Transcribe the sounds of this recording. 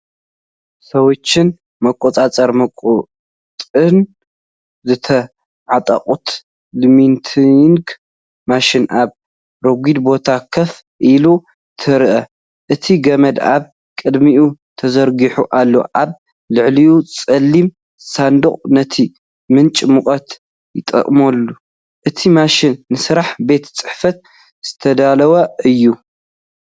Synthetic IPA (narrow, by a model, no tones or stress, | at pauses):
sɐwɔt͡ʃːɪn | mɐkʷʼːot͡sʼat͡sʼɐɾmɐkʼ | t̪ʼɨn | zɨt̪ʰɐ | ʕat̪ʼɐ̰qʼut̪ | lɨmint̪ʰiŋɡ | maʃinʔaβ | ɾoɡʷid̪bo̞t̪ʰakʰɐf | ʔilu | t̪ʰɨɾʔɐ | ʔɨt̪ʰiɡɐmɐd̪aβ | kʼɨd̪miut̪ʰɐzɐɾɡiħuʔalːo̞̰ʔaβ | lɨʕliut͡sʼɐlːim | sand̪oχʼnɐt̪ʰi | mɨnt͡ʃʼmukʼɐt̪ | jɪt̪ʼɐ̰qʼmɐlːu | ʔɨt̪ʰimaʃɪnːɨsɨɾaħbe̞t̪t͡sʼɨħfɐt̪̚ | z̥ɨt̪ʰɐd̪alɐwɐɨjːu